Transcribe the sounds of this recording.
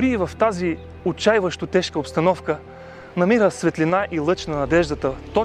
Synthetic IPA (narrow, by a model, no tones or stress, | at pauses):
ɾiːvɐft̪azi | ot͡ʃajvəʃt̪ot̪ɛʃkəopst̪ɐnɔfkə | nɐmiɾəsvɛt̪linaʔilˠɤt͡ʃnɐnɐd̪ɛʒd̪ət̪ət̪ɔ